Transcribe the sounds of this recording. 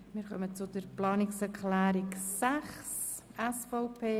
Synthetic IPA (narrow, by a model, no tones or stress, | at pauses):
mɪːɾkœmət͡sʊd̥əɾplɑːnɪksɛɾkʰlɛːɾɪksæχs | ɛsfɔʊpʰeː